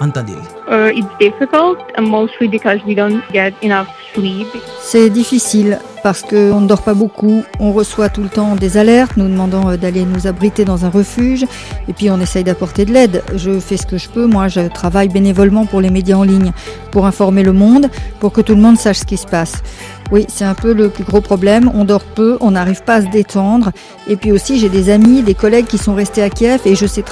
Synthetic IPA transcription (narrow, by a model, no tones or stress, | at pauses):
t̪d̪ḛ | ʔəɪtsd̥ɪfɪkəlˠtə̃moʊstlibikɔzwidõʊ̃nt̚ɡɛɾɪnafslib | sɛd̪ifisil | paʁsə̥kəɔ̃nəd̪ɔʁpabokuɔ̃ʁəswat̪ulət̪ɑ̃d̪ezalɛʁt̪nud̪əmɑ̃d̪ɑ̃d̪alenuzabʁit̪ed̪ɑ̃zɛ̃ʁəfyʒ | epɥiɔ̃nesɛjd̪apɔʁt̪ed̪əlɛd̪ʒəfɛsə̥kəʒəpømwaʒət̪χavajbenevɔlmɑ̃puʁlemed̪jaɑ̃liɲpuʁɛ̃fɔʁmeləmɔ̃d̪puʁkət̪uləmɔ̃d̪saʃsə̥kʲisə̥pas | wisɛt̪ɛ̃pøləplyɡʁopχɔblɛmɔ̃d̪ɔʁpøʔɔ̃naʁiv̥paːs̬əd̪et̪ʰɑ̃d̪ʁ | epɥiosiʒed̪ezamid̪ekɔlɛɡ̚kʲisɔ̃ʁɛst̪eakʲɛfeʒəsɛt̪